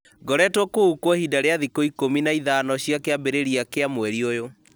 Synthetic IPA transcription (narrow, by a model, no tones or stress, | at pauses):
ɡɔɾɛtwɔkoukwɔhidaɾeaðikoikominaiðanɔɕjakeabeɾeɾiakeamwɛɾiojo